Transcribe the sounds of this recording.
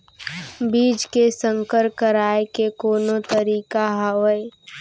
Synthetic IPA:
biːd͡ʒkesə̃ŋkəɾkəɾaːekekoːnõt̪əɾiːkaɦɐwəe

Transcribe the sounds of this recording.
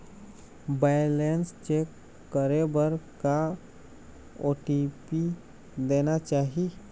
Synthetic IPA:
bajlenst͡ʃeːkː | əɾebəɾka | oːʈipi | d̪eːnat͡ʃaːɦi

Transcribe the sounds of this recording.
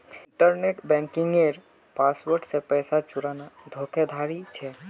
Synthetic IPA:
ɪʈəɾneʈbɛ̃ŋkɪ̃ŋɡeɾ | paːswəɾɖsepɛːsat͡ʃʊɾanad̪ʱokʰed̪ʱaɽit͡ʃʰɛ

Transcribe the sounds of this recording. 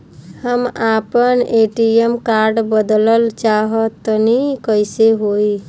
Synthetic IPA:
həmapəneʈiemkaɾɖbəd̪ləlt͡ʃaɦət̪ːnikəjseɦoi

